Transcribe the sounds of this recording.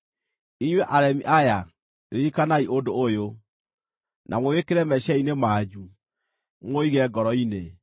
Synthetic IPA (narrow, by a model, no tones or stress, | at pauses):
iɲwɛʔaɾɛmiʔaja | ikanaiʔodoːjo | nʔa̰mowekeɾɛmɛʃɛinemaːd͡ʒu | ŋoiɣɛɡɔɾɔine